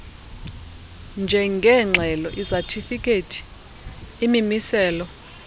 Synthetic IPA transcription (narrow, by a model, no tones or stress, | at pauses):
nd͡ʒʱɛŋɡʱɛŋ͡ǁʱɛlɔʔizatʰifikʼetʰi̥ | imimisɛːlɔ